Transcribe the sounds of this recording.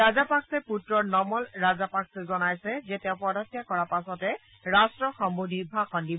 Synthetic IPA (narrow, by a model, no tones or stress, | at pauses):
ɹazapaksɛputɹɔɹnɔmɔlɹazapakszɔnajsɛzɛtɛʊpɔdɔtjakɔɹapasɔtɛ | ɹastɹɔxɔmbudʱibʱakɔndib